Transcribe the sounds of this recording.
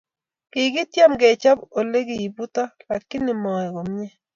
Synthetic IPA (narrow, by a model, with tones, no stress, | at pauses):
kɪ˨ɡɪ˦tja˦mɡe˨t͡ʃa˦bo˨le˦ɡɪ˨i˨bu˦t̪a˦la˨kːɪ˦nɪ˨mɔ˨ɛ˨ɡo˨m˦ɲɛ˦